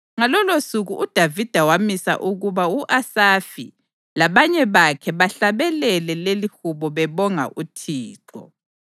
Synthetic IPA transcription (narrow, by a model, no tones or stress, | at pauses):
ŋalɔlosuɣuʔud̥ʱavid̥ʱawamisa̰ʔuɣuβauʔasafḭ | laβaɲɛβakʰɛβaɬaβɛlɛlɛlelihuβɔβɛβɔŋa̰ʔutʰiːǁɔ̰